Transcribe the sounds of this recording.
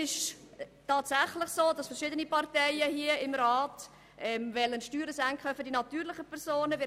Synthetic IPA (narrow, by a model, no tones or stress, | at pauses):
ɪʃtɑːtsæχlɪχsoːdɑsfɛɾʃɪdənipɑɾtɛɪjəhiəɪmɾaːt | ʔɛmvɛlənʃtyːɾəsæŋkχəfʏɾdinɑtyːɾlɪχəpʰɛɾsoːnəvɪ